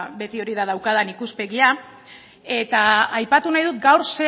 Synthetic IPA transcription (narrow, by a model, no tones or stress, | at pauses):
be̞t̪io̞ɾiðað̞awkaðanikuspe̞ɣia | e̞t̪aajpat̪unajðut̪ɡawɾse